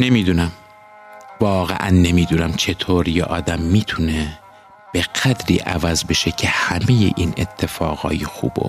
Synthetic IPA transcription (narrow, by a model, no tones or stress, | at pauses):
ne̞miːd̪unæm | vɒːɣḛʔænːemiːd̪uːnæmt͡ʃʰe̞t̪ʰoːɾjḛʔɒːd̪æmːiːt̪ʰune | b̥eɡæd̪ɾḭːʔævæzbe̞ʃecʰehæme̞jḛʔiːnet̪ʰːe̞fɒːɣɒ̰ːjixṵːbo̰